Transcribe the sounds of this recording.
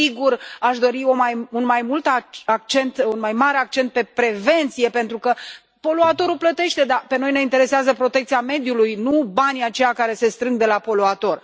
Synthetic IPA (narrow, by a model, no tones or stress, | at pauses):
siɡuraʃd̪o̞ɾio̞majunmajmult̪aak̚t͡ʃe̞nt̪unmajmaɾeakt͡ʃe̞nt̪̚pe̞pɾe̞ve̞nt̪sije̞pe̞nt̪ɾukə | po̞luat̪o̞ɾuplət̪e̞ʃt̪e̞d̪ape̞no̞jne̞int̪e̞ɾe̞seazəpɾo̞t̪e̞k̚t̪siame̞d̪julujnubaniat͡ʃe̞jakaɾe̞se̞st̪ɾɨŋɡ̚d̪e̞lapo̞luat̪o̞r